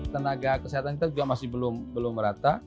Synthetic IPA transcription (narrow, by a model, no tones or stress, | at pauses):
t̪ənaɡakəsiɦat̪ankit̪ad͡ʒuɡamasɪhbəlʊmbəlʊmːəɾat̪a